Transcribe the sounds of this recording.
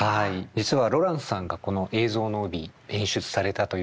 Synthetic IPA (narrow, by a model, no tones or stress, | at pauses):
aid͡ʑit͡sɨβaɾo̞ɾãɰ̃ssãŋɡako̞no̞ʔe̞ːzo̞ːnoɯ̟bʲiẽ̞ɰ̃ɕɨt͡sɨ̥saɾe̞t̪at̪o̞